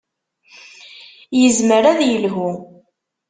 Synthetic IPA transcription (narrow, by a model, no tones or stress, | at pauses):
jəzməɾæðjəlɦu